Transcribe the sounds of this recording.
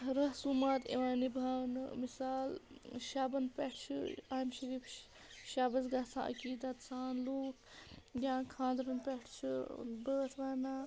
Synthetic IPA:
ɾɐɦsumaːt̪ḛʋaːnibʱaːnɨmisaːlʃaːbɐnpɐʈʰt͡ʃʰṵaːmʃɐɾiːpʰ | ʃaːbɐsɡɐɦsã̰ːʔɐ̰kiːd̪at̪saːnloːkjãːkʰãːd̪ɾɐnpɐʈʰt͡ʃʰubəːt̪ʰʋaːnaː

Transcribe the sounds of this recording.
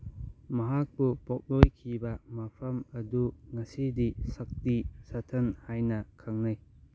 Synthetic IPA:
mɐɦak̚bupɔk̚lojkʰibɐmapʰɐmɐduŋɐsidisɐk̚tisatʰɐnhajnɐkʰaŋnɯj

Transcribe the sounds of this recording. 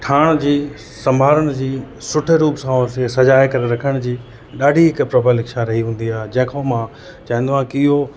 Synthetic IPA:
ʈʰaːɽ̃d͡ʑiː | sɐ̃mbʱaːɾəɽ̃ɪ̆d͡ʑiː | sʊʈʰɪɾuːpsãoɾsesɐd͡ʑaːekɐɾeɾɐkʰəɽ̃d͡ʑiː | ɗaːɖʱiɦɪkpɾɐbʱəlɦɪkʃaɾɐɦiɦũːn̆d̪iaːɦed͡ʑɐ̃ɦkʰomã | t͡ɕɐ̃ɦɪ̃nd̪ʋãkːɦo

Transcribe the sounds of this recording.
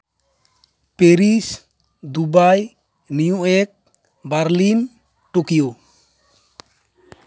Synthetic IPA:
pɛɾis | d̪ubaj | nijuɛk̚ | baɾlin | ʈokijo

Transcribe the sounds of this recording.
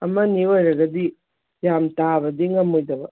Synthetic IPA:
ɐmɐniojɾɐɡɐdi | jamtabɐdiŋɐmojdɐbɐ

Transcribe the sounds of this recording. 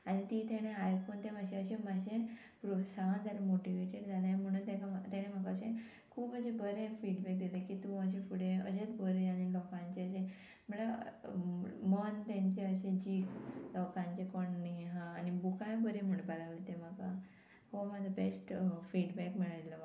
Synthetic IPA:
añit̪iːt̪eɽ̃eajfont̪emaɕẽəɕẽmaɕẽ | pɾosand͡z̪aɾemoʈiʋeʈeɽd͡zʱalam̤əɽ̃unt̪ẽkat̪eɽ̃emakaəɕẽ | kʰuːpəɕẽbəɾẽfiɽbɛk̚d̪ilekit̪ũəɕẽfuɽeə̰ɕet͡sbəɾeaɽ̃ilɔkãɲt͡ɕeəɕẽ | məɭa | mənt̪jãɲt͡ɕeəɕẽd͡ʑiːklɔkãɲt͡ɕekɔɳniɦãːnibukajbəɾem̤əɽũnbəlaʋlit̪ẽmaka | homad͡zʱabesʈfiɽbɛkmiɭalə

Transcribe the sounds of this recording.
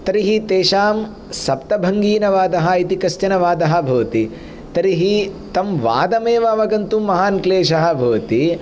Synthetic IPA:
t̪ɐɾiɦit̪eːʃaːm | sɐpt̪ɐbʱɐŋɡiːnɐʋaːd̪ɐɦɐ̆it̪ikɐsjɐnɐʋaːd̪ɐɦɐ̆bʱɐʋt̪i | t̪ɐɾiɦit̪ɐmʋa̰ːd̪ɐmeːʋɐʋɐɡɐnt̪umɐɦaːnkleːʃ̬ɐɦɐ̆bʱɐʋɐt̪i

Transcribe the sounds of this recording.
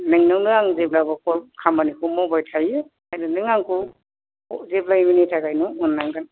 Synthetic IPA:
nɯŋnɯŋnɯaŋzep̚labakɔlkʰambanikʰumɔbajtʰaju | ajdɯnɯŋaŋku | zeblajminitʰakajnɔːnːaŋdan

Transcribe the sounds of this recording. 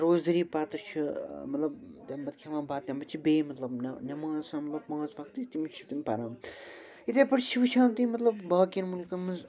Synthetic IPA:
ɾoːzd̪ɐɾiːpat̪ɐt͡ʃʰimɐt̪lɐbt̪ʲɐmbɐt̪̚kʰʲeʋãːbaːt̪t̪ʲɐmbɐt͡ʃʰibeːmɐt̪lɐbnnʲɐmãːzsãːmɐt̪lɐbmãːzʋɐkt̪it̪imit͡ʃʰi̥t̪imʲpɐɾãːm | it̪eːpɐʈt͡ʃʰiʋɨt͡ʃʰãːnt̪imɐt̪lɐbbaːkinmulkɐmɐz

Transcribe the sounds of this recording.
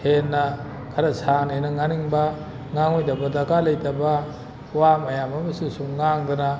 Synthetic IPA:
henːɐ | kʰɐɾɐsanenɐŋaniŋbɐ | ŋaŋojdɐbɐdakalɐjtɐbɐ | wamɐjamɐmɐsusuŋŋaŋdɐnɐ

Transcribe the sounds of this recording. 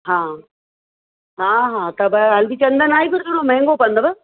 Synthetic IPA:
ɦãː | ɦãːɦãːt̪ɐbɐɐlbit͡ɕɐnd̪ɐnaːipɐɾd̪ʊɽ̃õmɛ̃ːŋɡopɐnd̪ɐbɐ

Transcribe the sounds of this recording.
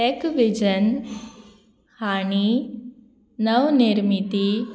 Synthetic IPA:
ekʋid͡ʑən | haɽ̃i | nəʋniɾmit̪i

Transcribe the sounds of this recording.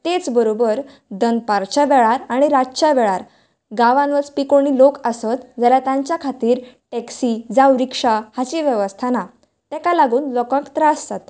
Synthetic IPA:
t̪et͡sbəɾobəɾ | d̪ənpaɾt͡ɕaʋɛɭaɾaɽ̃iɾat͡ɕaʋɛɭaɾ | ɡaʋãnʋəɾt͡spikoɳ̃iːlokəsət̪d͡zəljat̪jãɲt͡ɕjakʰat̪iːɾʈɛksid͡zawɾikʂahat͡ɕiʋjəʋəst̪ʰana | t̪ɛkalaɡuːnlɔkãkt̪ɾasd͡zat̪ḁ

